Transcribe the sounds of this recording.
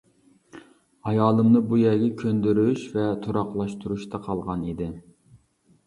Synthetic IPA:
ɑjɑːlˠɨmnɨbujɛɡʲɛkʲʰønd̪yɾyʃvɛt̪ʰuɾɑqlˠɑʃt̪ʰuɾuʃt̪ʰɑqʰɑlˠʁɑnid̪ɪ

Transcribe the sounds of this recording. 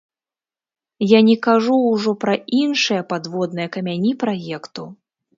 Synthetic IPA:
janʲɛkaʐuːʐɔpɾɐinʂɨjɐpad̪vɔd̪nɨjɐkɐmʲanʲipɾajɛkt̪u

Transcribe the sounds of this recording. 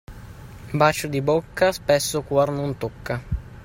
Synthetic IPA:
bat͡ʃod̪ibokːaspɛsːokwarnont̪okːa

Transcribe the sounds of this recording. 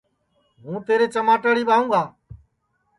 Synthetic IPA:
ɦũːt̪eːɾeːt͡ʃəmaːʈəɽiːɓaːũːɡaː

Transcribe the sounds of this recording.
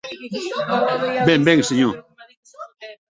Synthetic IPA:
bɛm̩bɛŋsiɲɔ̃

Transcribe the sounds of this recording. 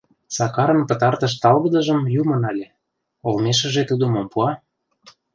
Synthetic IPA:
sɑkɑɾə̆npə̆t̪ɑrt̪ə̆ʃ̬t̪ɑlɣɤ̆d̪ə̆ʒə̆mjumɤ̆nɑlʲe | olmeʃ̬ə̆ʒet̪ud̪ə̆mompuɑ

